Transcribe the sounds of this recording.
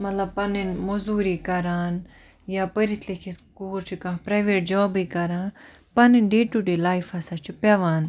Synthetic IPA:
mɐt̪lɐb̚pɐninmɐzuːɾikɐɾaːn | jaːpəɾit̪ʰlikʰikuːɾt͡ʃʰikãpɾaːʋeːʈ̚d͡ʒɔːbikɐɾãːn | pɐninɖeːʈuɖelaːifɐsat͡ʃʰipaːʋaːn

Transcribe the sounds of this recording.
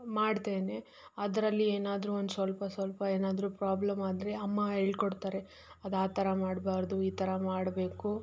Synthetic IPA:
maːɖt̪eːne̞ | ɐd̪ɐɾɐlːieːnaːd̪ɾuːond̪usʋɐlpɐsʋɐlpɐeːnaːd̪ɾuːpɾaːblɐmaːd̪ɾeɐmːɐɦeːɭkoɽt̪aːɾe̞ | ɐd̪aːt̪ɐɾɐmaːɽbaːɾd̪uiːt̪ɐɾɐmaːɽbe̞ːku

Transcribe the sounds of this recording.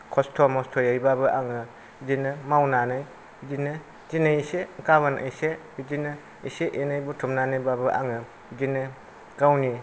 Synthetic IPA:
kʰɔstʰɔmɔstʰɔjajbabɯʔaŋɯ | d͡ʒinɯmawnanɯj | d͡ʒinɯ | zinɯsekaβanʔa̰jsebid͡ʒinɯ | iseʔenajbutʰumnanɯjbabɯʔa̰ŋɯ | d͡ʒinɯ | ɡawni

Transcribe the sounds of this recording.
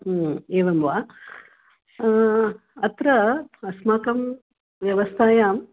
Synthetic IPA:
eːʋɐmʋaː | ɐt̪ɾɐɐsmaːkɐm | ʋjɐʋɐst̪ʰaːjaːm

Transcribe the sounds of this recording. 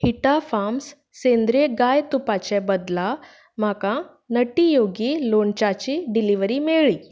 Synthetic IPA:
hiʈafams | sẽnd̪ɾeɡajt̪upat͡ɕɛbəd̪la | m̤akã | nəʈijoɡiːloɳt͡ɕat͡ɕiːɖiliʋɾiːmeɭiː

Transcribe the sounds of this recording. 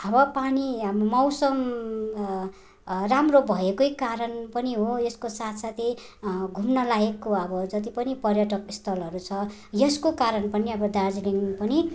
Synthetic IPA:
ʌbʌpanimʌwsʌm | ramrobʱʌekojkaɾʌnpʌniɦojeskosat̪ʰsat̪ʰiɡʱumnʌlaekːoʌbʌd͡zʌt̪̬ipʌnipʌrjʌʈʌkist̪ʰʌlɦʌɾut͡sʰʌ | jʌskokaɾʌnpʌniʌbʌd̪ard͡ziliŋpʌni

